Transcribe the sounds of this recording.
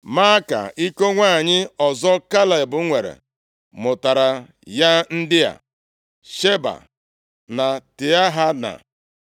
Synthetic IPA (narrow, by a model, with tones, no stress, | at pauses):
ma˦ka̰˨i˦ko˦ŋʷa˦˨ɲɪ˦ɔ˨zɔ˦ka˦la˨e˨bʊ˨˦ŋʷe˨ɾḛ˨ | mʊ˨ta˨ɾa˨ | ja˦n̩˦dɪ˦ja̰˨ | ʃe˦ba̰˨ | na˨tɪ˨a˦ɦa˦na̰˨